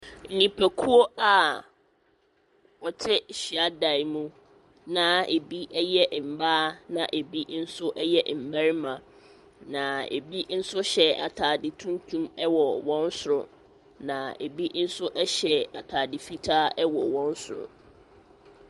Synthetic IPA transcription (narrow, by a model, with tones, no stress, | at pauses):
n̩˨nĩ˨pʰɛ˨kʰu˦ɔ˦a˨ | ɔ˨tʰɪ˦ɕi˨a˦da˨ɪ˨mũ˦ | nã˦e˨bi˦ʔɛ˦jɛ˦ʔm̩˨baː˦nã̰˨ʔe˨bi˦n̩˦sʊ˦ʔɛ˦jɛ˦ʔm̩˨ba˦ɾmã˨ | nã˨ḛ˨bi˦n̩˦sʊ˦ɕɛ˨a̰˨tʰaː˨dɪ˨tʰũ˦n˦tʰũ˦mɛ˦wɔ˨wɔ̃˦n˦sʊ˨ɾʊ̰˨ | nã˨e˨bi˦n̩˦sʊ˦ʔɛ˦ɕɛ˨a˨tʰaː˨dɪ˨fi˦tʰaː˦ɛ˦wɔ̰˨wɔ̃˦n˦sʊ˨ɾʊ̰˨